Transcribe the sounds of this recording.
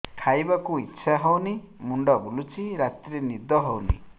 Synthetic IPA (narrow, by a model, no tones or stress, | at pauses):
ʈʰajbakuitːʃʰaɦɔwni | muɳɖɔbulut͡ʃiɾat̪ɾenid̪ɔɦɔwnḭ